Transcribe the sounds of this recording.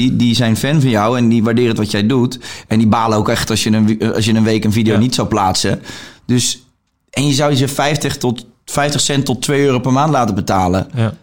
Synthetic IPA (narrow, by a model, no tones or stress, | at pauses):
idizɛjnfɛnfɔnjɔwɛndiʋaɹdɪːrətʋɔtjɛjdutɛndibaːləowkɛxtɔsjənəɑ̰s̬jənənʋeːkənfidijonitsawplaːtsədøs | ɛnjəzawəzəfɛjftəx | fɛjftəxsɛntɔtʰːʋejøːropərmaːntlaːtəbətaːlə